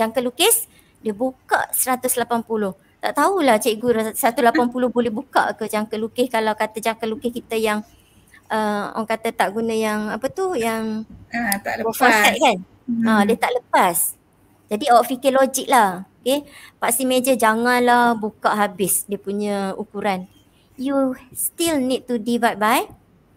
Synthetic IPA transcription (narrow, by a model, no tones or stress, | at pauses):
d͡ʒaŋkalukɪs | diəbuka̰ʔsəɾat̪ʊslapanpulʊh | t̪aʔt̪aulaht͡ʃaiɡuɾsəɾat̪ulapanpulʊhbolɛɦbuka̰ʔkəd͡ʒaŋkəlukɪhkalawkat̪əd͡ʒaŋkalukɪhkit̪əjaŋ | əɔ̰ŋkat̪ət̪aʔɡunə̃jaŋapət̪ujaŋat̪aʔəɔfɔsat̪̚kan | adiət̪aʔləpas | d͡ʒadiafikəlod͡ʒik̚lahokepaʔsimed͡ʒəd͡ʒaŋãnlahbukaʔɦabɪsdiəpuɲãukuɾan | just̪ilnid̚t̪udivat̚baj